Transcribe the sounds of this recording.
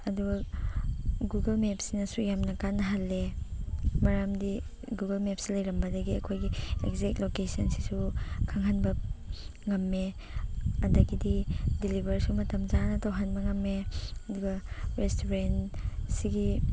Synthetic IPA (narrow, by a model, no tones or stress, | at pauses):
ɐduɡɐ | ɡuɡɐlmep̚sinɐsujamnɐkanːɐɦalːe | mɐɾamdi | ɡuɡɐlmep̚silɐjɾɐmbɐdɐɡiɐkʰojɡiḛkzek̚tlokesɐnsi̥sukʰaŋɦanbɐ | ŋɐmːe | ɐdɐɡididilibʱɐɾsumɐtɐmzanɐtawɦanbɐŋɐmːeɐduɡɐɾestʰoɾensiɡi